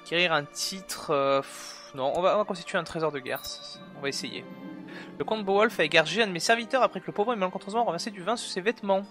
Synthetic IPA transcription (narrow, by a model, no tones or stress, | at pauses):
kʲeʁiʁɛ̃t̪ʰit̪χøf | nɔ̃ʔɔ̃vaɔ̃vakɔ̃st̪it̪ʰɥeɛ̃t̪χezɔʁd̪əɡɛ̰ʁs | ɔ̃vaesejḛləkɔ̃t̪bowɔlfaeɡaʁʒeɛ̃d̪əmesɛʁvit̪œʁapχɛkələpovʁɛmalkɔ̃t̪χozmɑ̃ʁəvɛʁsed̪yvɛ̃suʁsevɛt̪mɑ̃